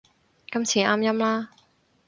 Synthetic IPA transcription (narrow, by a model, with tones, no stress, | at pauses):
kɐ˥mt͡sʰiː˨˩aː˥mjɐ˥mlaː˥